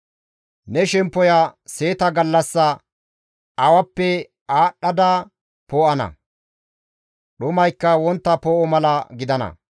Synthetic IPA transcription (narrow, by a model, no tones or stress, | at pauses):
nɛʃɛmpːɔjɐse̞ːt̪ɐɡɐlːɐsːɐ | ɐwɐpːɛ | aːɗːɐd̪a | poːʔɐnɐ̰ | ɗʊmɐjkːɐwɔnt̪ːɐpoːʔɔmɐlɐɡɪd̪ɐnɐ̰